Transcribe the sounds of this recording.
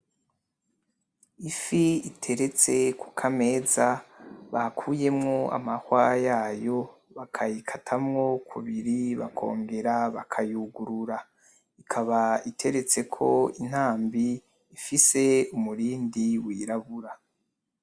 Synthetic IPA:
ifiitʰe̞ɾe̞t͡se̞kʰukʰame̞ːzaβakʰuːje̞mŋo̞a̰mahwajaːjo̞ | βakʰajikʰatʰamŋo̞kʰuβiɾiβakʰo̞̰ːŋɡe̞ɾaβakʰajuɡuɾuɾa | ikʰaβaitʰe̞ɾe̞t͡se̞kʰo̞in̥haːmbiː | fise̞umuɾiːndiwiːɾaβuɾa

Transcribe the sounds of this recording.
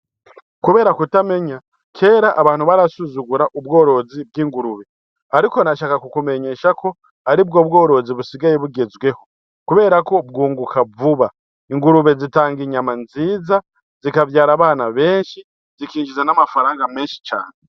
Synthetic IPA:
kuβe̞ːɾakutame̞ɲa | kʰe̞ɾaʔːβaːn̥huβaɾasuzuɡuɾaʔubɡo̞ːɾo̞zibɡiːŋɡuɾuβe̞ | aɾiko̞naʃakakukume̞ɲe̞ːʃako̞ | aɾibɡo̞ːbɡo̞ːɾo̞ziβusiɡajeβuɡe̞zwe̞ho̞ | kuβe̞ːɾako̞bɡuːŋɡukʰavuβa | iŋɡuɾuβe̞zitaːŋɡiɲamanziːza | zikavjaːɾaβaːnaβe̞ːnʃi | zikiːɲʒizenamafaɾaːŋɡame̞ːnʃi̥t͡ʃa̰ːne

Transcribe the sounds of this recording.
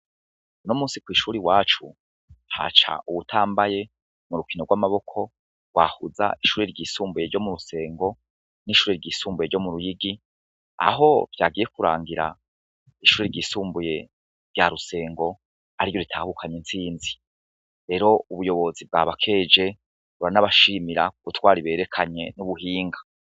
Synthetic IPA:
nomuːnsikwiːʃuːɾiwaːt͡ʃu | ha̰t͡ʃa̰ʔuβutʰaːmbaje̞ | muɾukinoɡwaːmaβo̞kʰo̞ | wahuza̰ʔiʃuːɾiɾɟiːsuːmbuje̞ɾɟo̞muɾuse̞ːŋɡo̞ | niʃuːɾeɾɟiːsuːmbujeɾɟomuɾujiɡi | a̰ɦo̞v̥jaːɡije̞kuɾa̰ːŋɡiɾa̰ | iʃuːɾeɾɟiːsuːmbuje̞ | ɾɟaɾuse̞ːŋɡo̞ | aɾiɾjo̞ɾitʰaːhukʰaɲent͡siːnzi | ɾe̞ːɾo̞uβujo̞βo̞zib̚ɡaβakʰe̞ːd͡ʒe̞ | βuɾanaβaʃiːmiɾa̰kuɡutwaːɾiβe̞ːɾe̞kʰaɲe̞nuβuɦiːŋɡḁ

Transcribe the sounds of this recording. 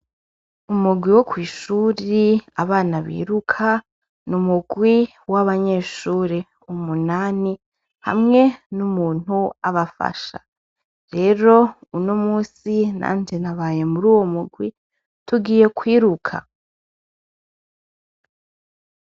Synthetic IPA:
umuɡwiwo̞kwiːʃuːɾiaβaːnaβḭːɾukʰa | numuɡwi | waβaɲe̞ːʃuːɾe | umunaːni | ha̰mŋe̞numuːn̥huaβafa̰ʃa̰ | ɾe̞ɾo̞uno̞muːsina̰ːnd͡ʒenaβaːje̞muɾuːwo̞muɡwi | tuɡiːje̞kwiːɾukʰa̰

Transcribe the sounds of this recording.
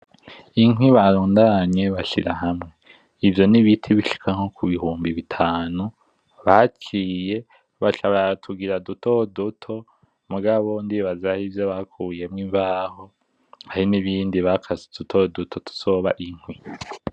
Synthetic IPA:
iŋwiβaɾoːndaɲe̞βaʃḭɾaɦamŋe̞ | ivjo̞niβitʰiβiʃi̥kʰaŋ̥o̞kʰuβihuːmbiβitʰaːnu | βat͡ʃiːje̞ | βaʃaβatʰuɡiɾadutodutʰo̞ | muɡaβo̞ndiβazahivjoβakʰuːje̞mŋivaho̞ | ahiniβiːndiβakʰazetutʰo̞dutʰo̞tʰu̥so̞βa̰ʔiŋ̥hwi

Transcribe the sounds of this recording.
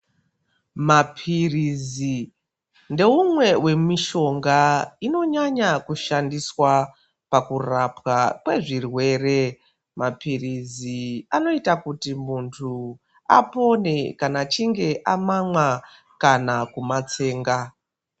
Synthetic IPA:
mapʰirizi | nde̞umwe̞wʔe̞miʃo̞ŋɡaino̞ɲaɲakuʃandiswa | pakurapwakwe̞ʐirwe̞ːre̞ | mapiriziano̞itakutimuntʰu | a̰po̞ne̞kanat͡ʃiŋɡe̞ʔamamwa | kanakumat͡se̞ːŋɡa

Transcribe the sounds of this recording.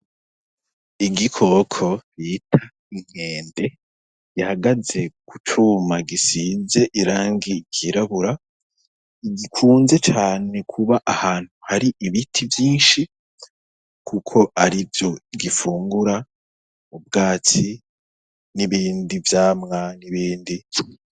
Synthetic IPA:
iɡikʰo̞ːkʰo̞ɾitʰa | iŋ̥e̞ːnde̞ | ɡ̥ihaɡaze̞ɡ̥utʰumaɡisiːnze̞ʔiɾaːŋɡiɡiɾaβuɾa | iɡikʰuːnze̞t͡ʃaːne̞kʰuβaʔahaːn̥huhaɾiʔiβitʰivjiːnʃi | kʰukʰo̞ʔaɾivjo̞ɡifuːŋɡuɾa | ub̚ɡaːt͡si | niβiːndivjaːmŋaniβiːndi

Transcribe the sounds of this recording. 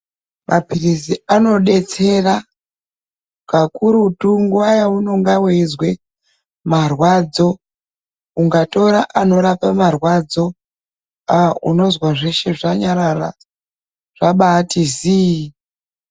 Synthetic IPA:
mʔapiriziano̞ɗe̞t͡se̞ra | kakuɾutuŋɡuwajauno̞ŋɡaweizwe | marwad͡zo̞ | uŋɡato̞ɾaʔano̞ɾapamarwad͡zo̞ | auno̞zwaʐeʃe̞ʐaɲaɾara̰ | ʐ̥aɓaːtizi

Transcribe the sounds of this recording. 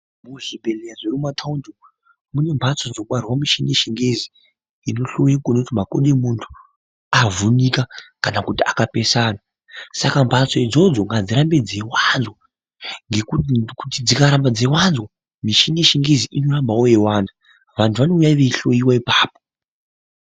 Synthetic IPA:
muʐibʱe̞lejaʐeɾumatʰaundo | mune̞mbʱat͡sod͡zokuarwamiʃineʃiŋɡezi | ino̞ɬo̞jikonotimakoɗemuntʰu̥ | avunikakanakutia̰kape̞saːna | sakambʱat͡soid͡zo̞d͡zo̞ŋɡad͡ziɾambed͡zewanzwa | ŋɡekukutid͡zikaɾambad͡zewanzwa | miʃineʃiŋɡeziʔino̞rambawojewaːnda | ʋantʰuʋano̞ujaiʋe̞iɬo̞jiwaipaːpo

